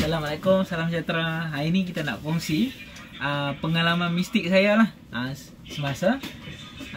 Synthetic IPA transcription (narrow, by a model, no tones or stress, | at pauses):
salamalekʊmsalamsət͡ʃat̪ɾaɦainik̬it̪ana̰ʔfɔŋsi | ʔəmpəŋalamanmist̪ɪk̚sajalah | a | səmasa